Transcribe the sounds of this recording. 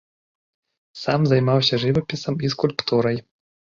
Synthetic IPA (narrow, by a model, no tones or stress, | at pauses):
samzajmawsʲɐʐɨvɐpʲisɐmiskulʲpt̪uɾɐj